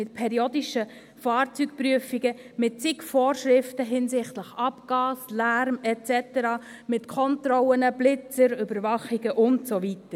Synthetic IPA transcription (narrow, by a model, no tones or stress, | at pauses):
mɪt̚pʰɛɾiodiʃə | fɑːɾt͡syk̚pɾyəfiɡəmɪt̚t͡sɪkfoːɾʃɾɪftəɦɪnsɪχtləχɑpɡ̥ɑːslæɾmɛt͡sɛtəɾɑː | mɪtkʰɔntrɔlənəblɪt͡səɾøbəɾvɑχiɡ̥əʔʊntsovitəɾ